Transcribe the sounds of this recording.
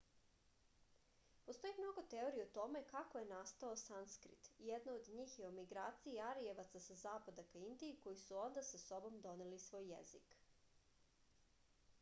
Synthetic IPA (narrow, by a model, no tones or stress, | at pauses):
po̞st̪o̞jimno̞ɡo̞t̪e̞o̞ɾijeot̪o̞me̞kakoje̞nast̪aosanskɾḭt̪jed̪naod̪ɲiːxjeumiɡɾaːt̪siiaɾieʋat̪sasazaːpad̪akaind̪iːko̞jisuo̞nd̪asaso̞bo̞md̪o̞nelisʋo̞ːjːḛzḭk